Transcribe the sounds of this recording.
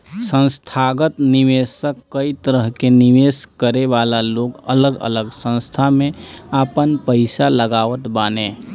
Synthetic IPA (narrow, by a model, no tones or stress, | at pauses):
sə̃nst̪ʰaːɡət̪nɪʋeːsəkːəit̪əɾəɦkenɪʋeːskəɾeʋaːlaloːɡə̰ləɡə̰ləɡsə̃nst̪ʰamẽapənpəɪsaləɡaːʋət̪baːneː